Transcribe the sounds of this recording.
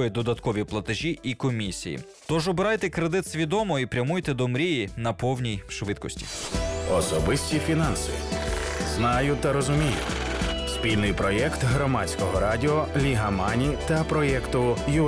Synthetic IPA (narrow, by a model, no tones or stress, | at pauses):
jɛd̪ɔd̪ɐt̪kɔʋʲiplˠɐt̪eʒʲiʔikɔmʲisʲḭjḭ | t̪ɔʒɔbɪɾɑjt̪ɛkɾed̪ɪt̪sʲʋʲid̪ɔmɔipɾʲɐmujt̪ɛd̪ɔmɾʲijinɐpɔwnʲijʃʋɪt̪̚kɔsʲtʲi̥̰ɔsɔbɪsʲtʲifʲinɑnsɨ | znɑjʊt̪ɐɾɔzʊmʲijʊ̰spʲilʲnɪjpɾɔjɛkt̪ɦɾɔmɑt͡sʲkɔɦɔɾɑdʲiɔlʲiɦɐmɑnʲit̪ɐpɾɔjɛkt̪ʊju